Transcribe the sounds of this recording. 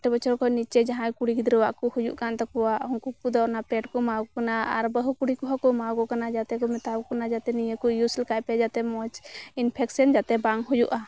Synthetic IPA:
ʈɛbɔt͡ʃɔɾkɔnit͡ʃɛd͡ʒaɦãjkuɽikid̪ɾɛwaʔkɔhud͡ʒṵʔkant̪ɔkɔwaʔuŋkupud̪ɔɾnapɛʈkɔmaɡɔkanaaɾbəɦukuɽikɔɦɔkɔmaɡɔkanad͡ʒat̪ɛkɔmɛt̪abkanad͡ʒat̪ɛnijekɔjuslɛkajpɛd͡ʒat̪ɛmɔt͡ʃinpʰɛksənd͡ʒat̪ɛbaŋɦujṵʔa

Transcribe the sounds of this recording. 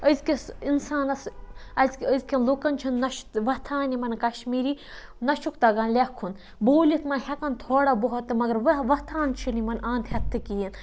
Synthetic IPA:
əzkisinsaːnɐsɐzkəzkʰʲɐnlukɐnt͡ʃʰinːɐʃt̪ʋɐt̪ʰaːnimɐnkɐʃmiːɾiː | nɐʃukt̪ɐɡɐnlʲekʰːun | boːlit̪mɐnhʲɐkɐnt̪ʰoːɽaboɦɔt̪ːɨmɐɡɐɾʋɐʋɐt̪ʰaːnt͡ʃʰinimɐnãːnt̪hʲɐt̪ʰːɨkijin

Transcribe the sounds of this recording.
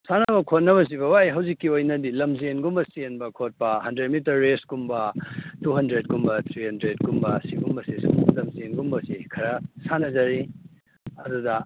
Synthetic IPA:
sanɐɐbɐkʰot̚nːɐβɐs̬iβɐwajɦɐwzikːiojnɐdilɐmzenɡumbɐsenbɐkʰot̚pɐɦɐndɾed̚mitɐɾːesɡumbɐtuɦɐndɾet̚ɡumbɐt̪ʰɾihɐndɾed̚ɡumbɐsiɡumbɐsislɐmzenɡumbɐsikʰɐɾɐsanɐzɐɾi | ɐdudɐ

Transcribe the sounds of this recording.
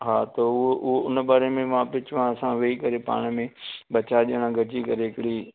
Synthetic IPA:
ɦaːt̪ɐʊɦoʔʊɦoʊnɓaːɾemẽʋãpɪt͡ʃʋãsãʋeikɐɾepa̰ːɽ̃mẽɓɐt͡ʃaɗeːɽ̃ãɡʱɐd͡ʒikɐɾeɦɪkɪɽi

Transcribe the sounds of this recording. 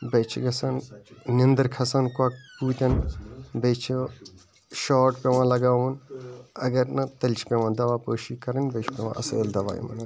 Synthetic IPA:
bɐt͡ʃʰiɡɐsɐnnind̪ɐɾkʰɐsɐnkwɐk̚puːt̪ʲɐnbet͡ʃʰi | ʃaːʈpeʋãːlɐɡaːwmɐnɐɡɐɾnɐt̪ɐlʲt͡ʃʰpeʋãːnd̪ɐʋaːpəːʃiːkɐɾɐnʲbet͡ʃʰpeʋã̰ʔɐseːld̪ɐʋa̰ːjḭmɐ̰nɐ

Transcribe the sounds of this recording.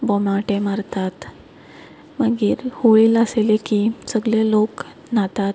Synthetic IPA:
bɔmaʈẽmaɾt̪at̪ | məɡiːɾhoɭiːləselekisəɡljelok | nat̪at̪

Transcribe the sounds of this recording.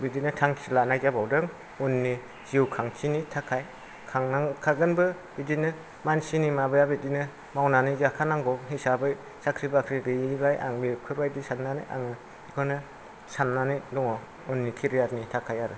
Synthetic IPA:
bidinɯtʰaŋkʰiɾlanajd͡ʒabawdɯŋ | unːi | z̥iwkʰaŋtʰinitʰakʰaj | kʰaŋnaŋkʰaɡɯnbɯ | b̥idinɯ | mansinimabɯjabidinɯ | mawnanizakʰanaŋɡɔɦisabɯj | sakʰɾibakʰɾibebajʔa̰ŋbiɾkʰɯɾbajdisanːaniʔa̰ŋɯ | ikʰɔnɯ | sanːanidɔŋɔ | unːikʰiɾijatnitʰakʰajaɾɯ

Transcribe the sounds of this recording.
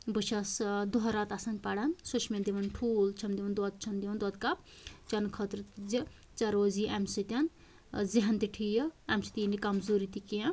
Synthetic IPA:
buʃʰasd̪uɦɐɾat̪asɐnpaɽansuʃʰmẽd̪iʋɐnʈʰult͡ʃʰɐmd̪iʋɐnd̪ɔt̪̚t͡ʃʰɐnd̪iʋɐnd̪ɔt̪kap̚ | t͡ʃɐnkʰɔt̪ɾd͡zi | t͡ʃɐɾoziʔamsit̪ʲan | ziɦɐnt̪iʈʰijɐamsi̥t̪inikɐmzoɾit̪ikija

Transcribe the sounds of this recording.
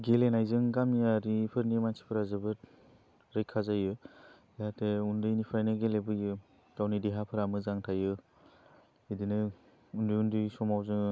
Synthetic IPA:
ɡelenajzɯŋɡamijaɾipʰɯɾnimansʰi̥pʰɯɾazɯbɯɾ | ɾejkʰːazajɯ | deɦateundɯjnipʰajnɯɡelebɯjɯ | kawnideɦapʰɯɾamɯzaŋtʰajɯ | idinɯ | undɯjundɯjsɔmawzɯŋ

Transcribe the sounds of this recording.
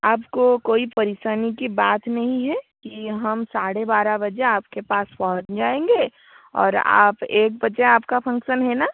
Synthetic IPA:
aːpkokoːipɐɾɪʃaːnikibaːt̪nɐɦĩɦɛkiɦɐmsaːɽebaːɾabɐd͡ʒeaːp̚kepaːspɔːɦnd͡ʒaːẽːŋɡeː | ɔ̰ːɾa̰ːpeːk̚bɐd͡ʒeaːpkapʰɐ̃ŋkʃənɦɛːnaː

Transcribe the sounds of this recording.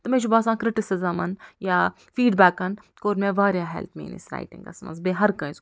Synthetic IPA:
t̪ɐmẽt͡ʃubaːsãːkɾɪʈɪsɪzɐmɐnjaː | fiːɖbæːkɐn | koːɾmeʋaːɾʲjaːɦɛ̰lt̪ʰmḛːnḭsɾa̰ːjʈɪ̰ŋɡɐ̰smɐ̰nzbeːɦɐɾkɐ̃z

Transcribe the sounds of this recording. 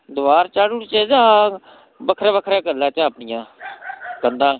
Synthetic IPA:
d̪ʊʋaːɾt͡ʃaːɽuɽt͡ʃeːd͡ʒaː | bəkʰɾeːbəkʰɾeːkəɾlaːt͡ʃaːəpnɪjãː | ɡənd̪ãː

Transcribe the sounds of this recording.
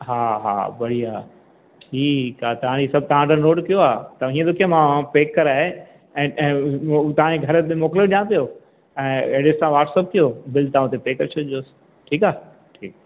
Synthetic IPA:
ɦaːɦa̰ːbɐɽiaː | ʈʰiːkaːt̪ɐʋ̤ãd͡ʑisɐb̚ʱt̪ɐʋ̤ãʈ̪ənoːʈkijoaːt̪ɐ̃ɦĩːə̃d̪ʊkʰijamãpeːkːəɾaːɦe | ɛ̃ːɛ̃ːt̪ɐʋ̤ãd͡ʑeɡʱɐɾəmoːkloɗijãpijo | ɛ̃ːeɽɪssãʋaːɾʈsəp̚kijobɪlt̪aãʊt̪epeːkəɾt͡ɕʰoʄɪ̃os | ʈʰiːkaː | ʈʰiːk̚

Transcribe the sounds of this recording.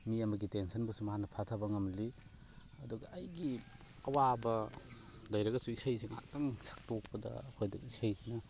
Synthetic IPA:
miɐmɐɡitensʰɐnbɐsumɐɦanɐpʰatʰabɐŋɐmli | ɐduɡɐʔːjɡi | ɐwabɐ | dɐjɾɐɡɐsuisajsiŋa̰ɐŋsḁk̚tok̚pɐdɐ̰ɐkʰojdɐk̚isajsinɐ

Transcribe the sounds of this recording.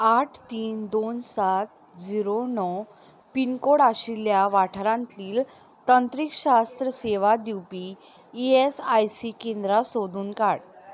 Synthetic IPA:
aʈʰt̪iːnd̪onsat̪ | d͡ziɾonɔ | pinkoɽaɕiljaʋaʈʰəɾãnt̪liːl | t̪ənt̪ɾikɕast̪ɾəseʋad̪iwpiː | esajsikend̪ɾasod̪uːnkaɽ

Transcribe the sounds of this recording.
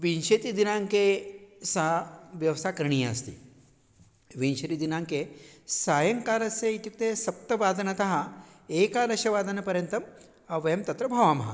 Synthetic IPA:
ʋinʃet̪id̪inaŋkesaʋjɐʋsaːkɐɾɳ̃iːjɐst̪ḭː | ʋinʃɐɾid̪inaŋkesaːjɐŋkaːɾɐseit̪juk̚t̪esɐp̚t̪ɐʋaːd̪ɐnɐt̪ɐɦaeːkaːɾɐʃɐʋaːd̪ɐnɐpɐɾjɐnt̪ɐm | ɐʋɐjɐmt̪ɐt̪ɾɐbʱɐʋaːmɐɦɐ̰

